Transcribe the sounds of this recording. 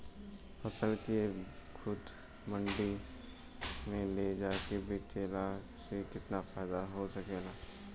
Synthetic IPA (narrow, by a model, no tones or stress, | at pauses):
fɐsəlkexʊd̪ | mɐ̃ɳɖi | mẽled͡ʒaːekebʱit͡ʃeːla | sekɪt̪nafaːɪd̪aɦosɐkeːlaː